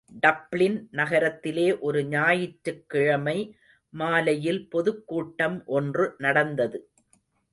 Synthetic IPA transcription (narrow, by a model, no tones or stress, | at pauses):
ɖɐplɪnnɐɣɐɾɐt̪ːɪleːʔɔɾɯɲaːjɪʈɾɯkːɪɻɐmɐɪ | maːlɐjɪlpɔðɯkːuːʈːɐmʔɔndrɯnɐɽɐnd̪ɐðɯ